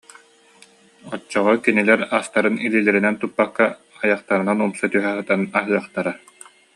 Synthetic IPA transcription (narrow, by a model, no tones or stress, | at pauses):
ɔt͡ɕːɔʁɔkinilɛɾast̪aɾɯnililɛɾinɛnt̪upːakːa | ajaχt̪aɾɯnanumsat̪yɦɛɦɯt̪anaɦɯœχt̪aɾa